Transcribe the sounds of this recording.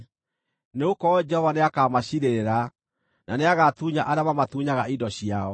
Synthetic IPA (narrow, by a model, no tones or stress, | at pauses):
neokɔd͡ʒɛhɔvaneakamaɕiɾeeɾa | nʔaneaɣat̪uɲaʔaɾeamamatuɲaɣaidɔɕiaɔ